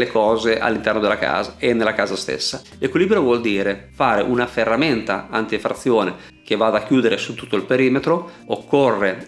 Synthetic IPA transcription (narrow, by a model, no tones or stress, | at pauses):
lekɔːzeʔa̰lːint̪ɛrnod̪elːaka̰ːzaenːelːakaːzast̪ḛsːa | lekwiliːbɾovwɔld̪iːɾefaːɾeʔunaferːament̪a̰ant̪iefɾat̪sːjoːne | k̟evad̪akjuːd̪eɾesut̪ːu̥t̪ːoilpeɾiːmet̪ɾo | okːorːe